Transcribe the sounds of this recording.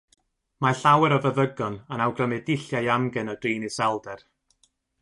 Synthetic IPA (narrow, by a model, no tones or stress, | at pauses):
maɬawɛɾɔvəðəɡɔnanawɡrəmɛdɪɬjajamɡɛnɔd̥riːnisɛlˠdɛr